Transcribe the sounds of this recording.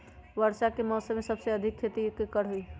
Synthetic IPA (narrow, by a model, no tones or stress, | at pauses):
ʋəɾsakemɔːsəmesəbseəd̪ʱikʰːet̪ikekəɽ̤ɦoi